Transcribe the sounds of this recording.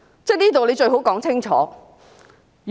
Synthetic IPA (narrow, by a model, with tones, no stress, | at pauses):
t͡sɛ˥˩jniː˥t̪o˨wle˨˧jt͡ʃɵ˧ɥɦo˨˥wkɔː˨˥ŋt͡sʰɪ˥ŋt͡ʃʰɔ̰ː˨˥